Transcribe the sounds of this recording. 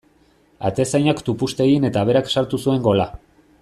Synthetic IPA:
a̰t̪esajɲakt̪upust̪e̞ɣine̞t̪aβ̞e̞ɾaksaɾt̪usue̞ŋɡo̞la

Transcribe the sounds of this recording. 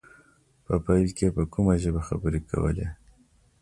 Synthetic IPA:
pəpajlkepəkumaʒəbaxa̰bəɾekʰa̰wə̰le

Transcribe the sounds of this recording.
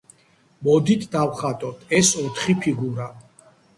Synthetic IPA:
mɔd̪it̪ʰd̪awχat̪ʼɔt̪ʰɛsɔt̪ʰχipʰiɡuɾa

